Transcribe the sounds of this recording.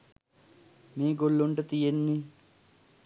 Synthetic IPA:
miːɡolːoɳʈət̪ijenːi

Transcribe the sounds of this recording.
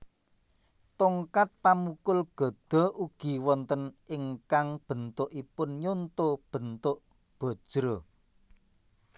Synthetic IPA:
t̪oŋkat̪̚pamukʊlɡ̥ɔ̤d̪̥ɔ̤uɡ̥i̤wɔnt̪ənɪŋkaŋb̥ə̤nt̪ʊʔipʊnɲont̪ob̥ə̤nt̪ʊʔ | b̥ɔ̤d̥ʒ̥ɾo

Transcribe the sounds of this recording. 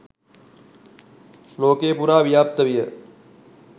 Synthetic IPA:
loːkeːpuːɾaːʋjaːp̚t̪əʋijə

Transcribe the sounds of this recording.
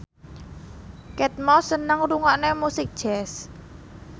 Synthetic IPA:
kɛt̪̚mɔsənəŋruŋaʔnemusɪk̚d̥ʒ̥ɛs

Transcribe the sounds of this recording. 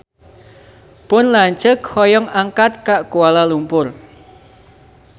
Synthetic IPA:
pʊnlaɲt͡ʃəkhɔjɔŋaŋkat̪̚kaʔkualalumpʊr

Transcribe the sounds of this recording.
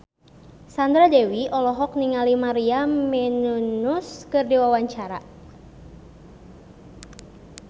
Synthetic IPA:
sand̪ɾadewiʔɔlɔɦɔk̚niŋalimaɾiamɛnunuskɨrdiwawaɲt͡ʃaɾa̰

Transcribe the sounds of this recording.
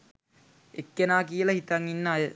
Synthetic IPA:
ekːenaːkijəlɐhit̪aŋːinːəajə

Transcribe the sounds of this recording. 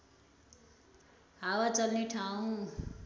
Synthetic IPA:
ɦawat͡sʌlneʈʰaw̃

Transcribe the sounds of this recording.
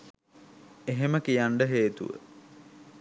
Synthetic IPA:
eɦeməkijaɳɖəɦeːt̪ṵʋə̰

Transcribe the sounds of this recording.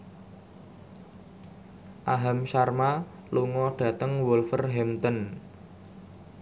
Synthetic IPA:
ʔaɦamʃarma | luŋɔɖ̥ä̤t̪əŋwulfərɦɛmt̪ən

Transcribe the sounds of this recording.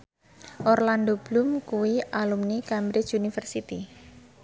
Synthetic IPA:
ʔɔrland̪ob̥lumkuwialumnikambɾɪt͡ʃunifərsit̪i

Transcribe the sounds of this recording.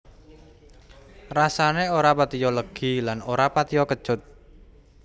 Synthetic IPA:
rasaneoɾapat̪ijɔləɡ̥i̤lanoɾapat̪ijɔkə̥ʒ̥ʊt̪̚

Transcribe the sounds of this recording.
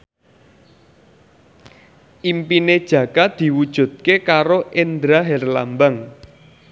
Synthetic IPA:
ʔimpined̥ʒ̥ä̤kad̪̥i̤wud̥ʒ̥ṳt̪̚kekaɾoʔend̪ɾaɦɛrla̰mbaŋ

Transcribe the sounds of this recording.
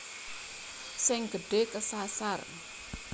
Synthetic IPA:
sɪŋɡ̥əɖ̥ekəsasar

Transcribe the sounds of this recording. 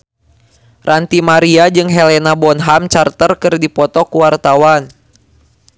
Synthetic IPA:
rʔant̪imaɾiad͡ʒɨŋɦɛlɛnabɔnɦamt͡ʃart̪ərkɨrdipɔt̪ɔkuwart̪awan

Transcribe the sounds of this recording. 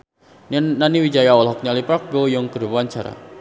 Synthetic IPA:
nnaniwid͡ʒajawɔlɦɔk̚ɲalipɾak̚bojɔŋkəɾwaɲt͡ʃaɾa̰

